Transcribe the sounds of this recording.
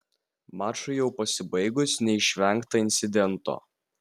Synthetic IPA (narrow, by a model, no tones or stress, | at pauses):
mɑːt͡ʃʊjɛʊpɐsʲɪbɐɪɡʊsnʲɛɪʃʲʋʲɛˑŋkt̪ɐɪnʲt̪sʲɪd̪ʲɛnt̪o̰ː